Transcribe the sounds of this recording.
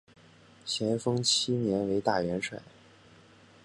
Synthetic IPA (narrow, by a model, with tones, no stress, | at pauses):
t͡ɕʰjɛ˧˥nfɤ˥ŋt͡ɕʰi˥njɛ˧˥nwe˧˥ɪt̪a˥˩ɥɛ˧˥nʂwa̰˨˩˦